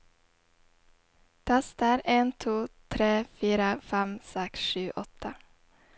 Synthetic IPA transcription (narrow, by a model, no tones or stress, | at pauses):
t̪ʰæst̪æɾeːnt̪ʰuːt̪ʰɾeːfiːɾəfæmsɛksʃʉːʔɔt̪ʰə